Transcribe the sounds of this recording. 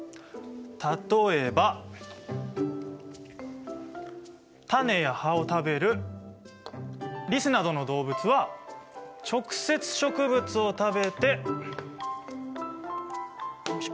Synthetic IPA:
t̪at̪o̞e̞ba | t̪ane̞jahao̞t̪abe̞ɾɯ̟ | ɾʲisɨnad̪o̞no̞d̪o̞ːbɯ̟t͡sɨβa | t͡ɕo̞kɯ̟̥se̞t͡sɨ̥ɕo̞kɯ̟bɯ̟t͡sɨo̞t̪abe̞t̪e̞

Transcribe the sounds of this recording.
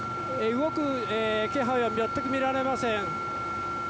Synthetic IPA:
eiwoku | ɛkeɦɔjɔmbjɔt̪ːɪkmiɾanɛmasɛŋ

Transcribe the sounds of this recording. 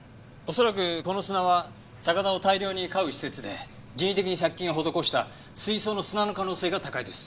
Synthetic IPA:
o̞so̞ɾakɯ̟ko̞no̞sɨnaβa | sakad̪ao̞t̪aiɾʲo̞ːɲ̟ikaɯ̟ɕi̥se̞t͡sɨd̪e̞̰ | d͡ʑĩit̪e̞kʲiɲ̟isakʲːĩɰ̃oɦo̞d̪o̞ko̞ɕi̥t̪a̰ | sɨisoːno̞sɨnano̞kanoːse̞ːɡat̪akaid̪e̞sɨ̥

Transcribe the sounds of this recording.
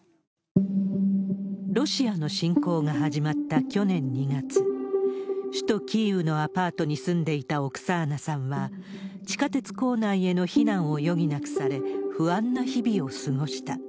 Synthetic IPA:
ɾo̞ɕiano̞ɕĩŋko̞ːŋaɦaʑimat̪ːakʲo̞nẽ̞ɲ̟ːiɡat͡sɨ | ɕi̥t̪o̞kʲiːɯ̟no̞apaːt̪o̞ɲ̟isɨ̃nd̪e̞it̪ao̞kɯ̟̥saːnasãɰ̃βa | t͡ɕi̥kat̪e̞t͡sɨ̥ko̞ːnaie̞no̞çinãɰ̃o̞jo̞ɡʲinakɯ̟̥saɾe̞ɸɯ̟ãnːaçibʲio̞sɨɡo̞ɕi̥t̪a

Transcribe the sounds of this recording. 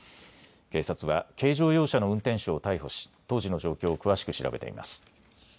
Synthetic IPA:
ke̞ːsat͡sɨβake̞ːʑo̞ːjo̞ːɕano̞ɯ̟̃nt̪ẽɕoːt̪aiɦo̞ɕi̥t̪o̞ːʑino̞ʑo̞ːkʲo̞ːkɯ̟βaɕi̥kɯ̟ɕiɾa̰be̞t̪e̞̰ḭma̰sɨ̥

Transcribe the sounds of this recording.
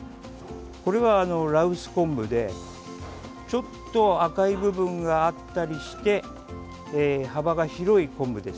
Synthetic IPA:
ko̞ɾe̞βaːno̞ɾaɯ̟sɨ̥kõ̞mbɯ̟d̪e̞ | t͡ɕo̞t̪ːo̞akaibɯ̟bɯ̟̃ŋɡaːt̪ːaɾʲiɕi̥t̪e̞ː | habaɡaçiɾo̞ikõ̞mbɯ̟d̪e̞s

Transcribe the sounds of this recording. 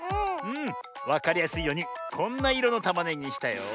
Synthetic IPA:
ɯ̟̃ː | βakaɾʲijasɨijo̞ɲ̟ikʰõ̞nːaiɾo̞no̞t̪amaneɲːiɕi̥t̪ajo̰

